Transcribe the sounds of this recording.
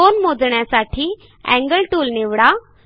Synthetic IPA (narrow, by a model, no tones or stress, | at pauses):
onmod͡zɳjasaʈʰiː | æ̰̃ŋɡəlʈuːlneʋɽa